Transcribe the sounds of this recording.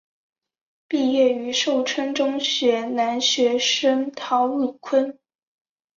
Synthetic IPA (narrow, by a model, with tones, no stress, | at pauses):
pi˥˧jɛ˥˩y˧˥ʂo˥˩ʊʈ͡ʂʰwə˥nʈ͡ʂʊ˥ŋɕɥɛ˧˥na˧˥nɕɥɛ˧˥ʂə˥ŋt̪ʰɑ˧˥ʊu˥˩kʰwə˥n